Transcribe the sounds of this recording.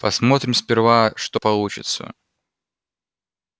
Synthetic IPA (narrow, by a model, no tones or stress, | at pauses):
pɐsmo̞t̪ɾʲɪmspʲɪrvaʂt̪opɐlˠut͡ɕɪ̰t̪sə̰